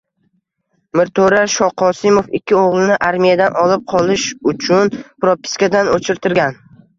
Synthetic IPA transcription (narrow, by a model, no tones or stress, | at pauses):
mɪɾt̪ʰoɾaʃɒqʰɒsɪmofɪkʲʰːɪoʁlˠɪnɪʔaɾmijad̪anʔɒlˠɪp̚qʰɒlˠɪʃʊt͡ʃʰʊnpɾopːɪ̥skʲad̪anot͡ʃʰɪɾt̪ʰɪɾɡʲan